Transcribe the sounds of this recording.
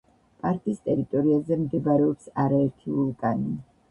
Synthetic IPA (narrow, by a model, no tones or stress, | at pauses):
pʼaɾt̪ʼist̪ʼɛɾit̪ʼɔɾiazɛmd̪ɛbɾɛɔpsaɾaɛɾt̪ʰiulˠkʼani